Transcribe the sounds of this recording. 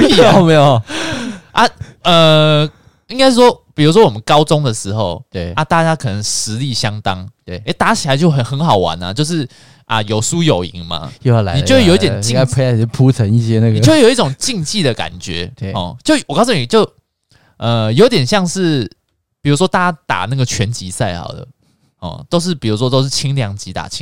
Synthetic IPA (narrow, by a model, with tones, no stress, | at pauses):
i˥˧o˨me˦jo˨ | ʔa˦ə˨ | i˥ŋka˥ɪʂ̩˥˩ʂwɔ˥pi˨˩ɻu˧˥ʂ̬wɔ˦wɔ˨˩mə˦nkɑ˦ʊt͡sʊ˥˦ŋd̪ə˨ʂɻ̩˧˥xo˥˨˩ʊt̪we˩a˥˧t̪a˥˧t͡ɕja˥kʰɤ˨˩nə˧˦ŋʂɻ̩˧˦li˥˩ɕjɑ˦˥ŋt̪ɑ˦ŋe˥˩e˧˥˦t̪a˥˧˥t͡ɕʰi˨˩la˧˦ɪt͡ɕjo˥˩ʊxə˨˩nxə˧˦nxɑ˨˩ʊwa̰˧˦na̰˨t͡ɕjo˥˧ʊʂ̬ɻ̩˥˩ | ʔɐ̰˨jo˨˩ʊsu˦jo˨˩ʊḭ˧˦ŋma̰˨jo˥˧˩a˨˦ni˨t͡ɕwe˥˨ji˥t̪jɛ˨nt͡ɕi˥˧a˥˧pʰe˥˦a˥˩˨pʰu˥˦t͡sʰə˧˦ŋi˥˩ɕjɛ˦na˥˧ɡt͡ɕwe˥˩jo˨˧˦i˥˩ʈ͡ʂo˨˩ŋt͡ɕi˥˧ŋt͡ɕi˥˩d̪ə˨˩ka̰˨˩nt͡ɕɥɛ̰˧˦˩ɔ̰˨˩t͡ɕjo˥˩ʊwɔ˨kɑ˥so˨˩ni˨˩t͡ɕjo˥˩ʊ | ə˨˩jo˧˦ʊt̪̬jɛ˨˩nɕjɑ˥˧ŋʂɻ̩˥˩ | pi˨˩ɻu˧˥ʂwɔ˥t̪a˥˧a˥t̪a̰˨˩na˥˩ɡə˩t͡ɕʰɥɛ˧˦nt͡ɕi˧˥sa˥˩ɪxɑ̰˨˩ʊd̪ə̰˩ | hɔ̰˨˩t̪o˥ʊʂ̬ɻ̩˥˩pi˨˩u˧˥ʂ̬wɔ˦t̪̬o˥ʊʂ̬̩˥˩t͡ɕʰi˥ŋljɑ˧˦ŋt͡ɕi˧˥t̪a̰˨˩t͡ɕʰi˦ŋ